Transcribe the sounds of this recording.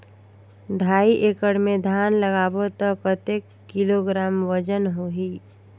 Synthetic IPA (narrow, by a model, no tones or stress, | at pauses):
d̪ʱaːiʔeːkəɽmẽd̪ʱaːnləɡaːbot̪əkət̪eːkːɪloɡɾaːmʋəd͡ʒənɦoɦiː